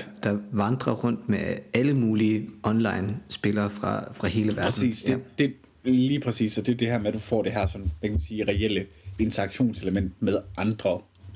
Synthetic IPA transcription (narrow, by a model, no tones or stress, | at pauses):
d̥ɑ̈ʋɑ̈nd̥ʁɐʁɔ̽n̰d̥meæləmuːliəɒ̽nlɑ̈ɪnsb̥e̝lɐːfʁɑ̈fʁɑ̈he̝ːləʋæɐd̥nsḭːsd̥ed̥e̝ | liːpʰʁɛsḭːsɒ̽d̥e̝d̥e̝ɦæɐmed̥ufɒ̰ːd̥e̝ɦæɐ̰sɒ̽nʋækʰæmænsiːʁɛel̰əe̝nt͡sʰɐɑ̈ɡ̥ɕo̝̰ːnse̝ləmen̰d̥̚með̞ˠʔɑ̈nd̥ʁɐ